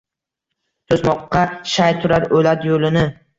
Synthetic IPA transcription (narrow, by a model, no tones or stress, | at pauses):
t̪ʰozmɒqːɑʃajt̪ʰʊɾaɾolat̪jolɪnɪ